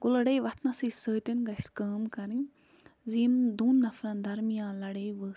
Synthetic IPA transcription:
kʊlɐɽeːjʋɐt̪ʰnɐsisəːt̪inɡɐskaːmkɐɾin | zimd̪uːnːɐfɾɐnd̪ʱɐɾmijãːlɐɽeːjʋə

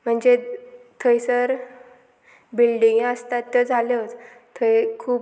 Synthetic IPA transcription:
m̤əɳd͡zet̪ʰəjsəɾ | bilɖiŋɡəst̪at̪ːjəd͡zʱalət͡s | t̪ʰəjkʰuːp

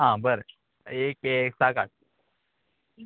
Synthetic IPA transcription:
ɦãbəɾə | ekeksakaʈ̚

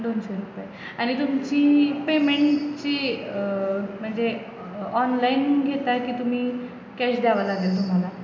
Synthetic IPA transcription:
d̪onɕɔɾupaj | añit̪umt͡ɕiːpemeɳʈt͡ɕiː | m̤əɳd͡ze | ɔnlainɡʱet̪ajkiːt̪um̤iː | kɛɕd̪jaʋalaɡelt̪̬um̤ala

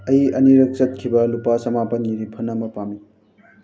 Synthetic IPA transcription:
ɐjɐniɾɐk̚t͡ʃʌt̪̚kʰibɐlupasɐmapɐnniɾipʰɐnamɐpami

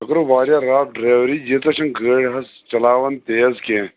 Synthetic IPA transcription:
ɐkɐɾuʋaːɾjaɾaːɖɾeːʋɾid͡ʒit͡s̪ɐʃɐŋɡəːɽɦɐs | t͡ʃɐlaːʋɐnt̪eːɐzkʲẽ

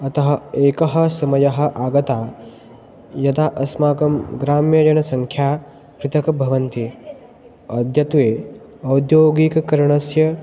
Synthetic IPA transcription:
ɐt̪ɐɦɐeːkɐɦɐ̆sɐmɐjɐɦɐ̆ʔaːɡɐt̪aː | jɐt̪aːʔɐsmaːkɐmɡɾaːmjɐd͡ʒɐnɐsɐŋkʰjaː | pɾɪt̪ɐkɐbʱɐʋɐnt̪i | ɐd̪ʱjɐt̪ʋeː | ɐwd̪joːɡikɐkɐɾɐɳɐsjɐ

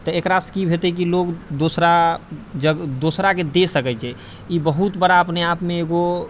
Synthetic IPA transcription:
t̪əekɾaskibʱet̪ɛk̬ilokd̪osɾad͡ʒəɡd̪osɾaked̪esəkɛt͡ʃʰɛ | ibəɦut̪bəɾaəpneapmeːɡo

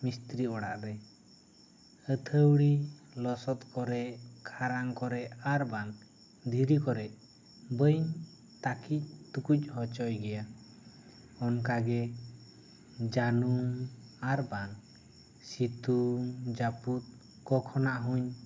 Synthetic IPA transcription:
mist̪ɾiɔɽa̰ʔɾɛ | ət̪ʰəwɽilɔsɔt̪̚kɔɾɛʔkʰaɾaŋkɔɾɛʔaɾban | d̪ʱiɾikɔɾɛʔ | bəjɲ | t̪akic̚t̪ukuc̚ˀhɔt͡ʃɔjɡɛja | ɔnkaɡɛ | d͡ʒanumaɾban | sit̪ud͡ʒaput̪̚ | kɔkʰɔnaʔɦuɲ

